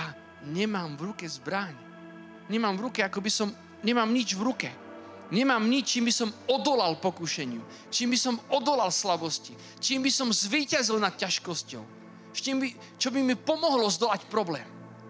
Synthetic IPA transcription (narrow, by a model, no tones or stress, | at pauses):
ja | ɲɛmaːmvɾukɛzbɾaɲ | ɲɛmaːmvɾukɛakɔbisɔm | ɲɛmaːmɲid͡ʒvɾukɛ | ɲɛmaːmɲit͡ʃt͡ʃiːmbisɔmɔd̪ɔlalpɔkuʃɛɲɪu | t͡ʃiːmbisɔmɔd̪ɔlalslabɔsci | t͡ʃiːmbisɔmzʋiːcazilnat̪̚caʃkɔscɔ̰ʊ | st͡ʃimbi | t͡ʃɔbimipɔmɔɦlɔzd̪ɔlacpɾɔblɛːm